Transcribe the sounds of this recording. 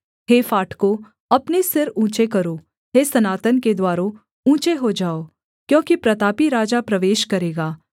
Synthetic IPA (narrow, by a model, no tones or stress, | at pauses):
ɦeːfaːʈʰko | ɐpnesɪɾũːt͡ʃekɐɾo | ɦeːsɐnaːt̪ənked̪waːɾõ | ũːt͡ʃeɦod͡ʒaːoː | kjõːkipɾɐt̪aːpiɾaːd͡ʒapɾɐʋeːʃkɐɾeːɡaː